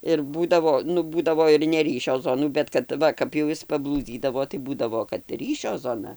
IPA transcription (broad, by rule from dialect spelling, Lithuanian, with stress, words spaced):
ɪr ˈbuːdɐʋoː ˈnʊ ˈbuːdɐʋoː ɪr nʲɛˈrʲiːʃʲoː ˈzoːnuː bʲɛt kɐt ˈʋɐ kɐp jɛʊ ˈjɪs pɐˈblˠuːd͡zʲiːdɐʋoː tɐɪ ˈbuːdɐʋoː kɐt ˈrʲiːʃʲoː ˈzoːnɐ